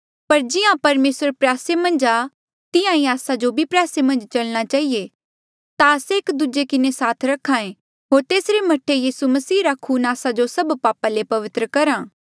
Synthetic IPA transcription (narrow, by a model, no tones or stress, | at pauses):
pɐɾd͡ʒɪjãpɐɾmeːsəɾpɾjaːsemɐ̃nd͡ʒaː | t̪ɪjãĩaːsad͡ʒobʱipɾjaːsemɐ̃nd͡ʒt͡ʃɐlñat͡ʃaːɦie | t̪aɐseeːkd̪ud͡ʒekɪnesaːt̪ʰɾɐkʰːãːẽ | ɦoːɾt̪eːsɾemɐʈʰejiːsumɐsiːɾakʰuːnaːsad͡ʒosɐbpaːpalepɐʋɪt̪ɾəkɐɾãː